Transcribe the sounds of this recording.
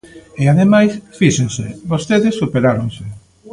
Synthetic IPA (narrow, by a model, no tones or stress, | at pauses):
eaðemajsfiʃẽnseβost̪eðesːupeɾaɾõŋse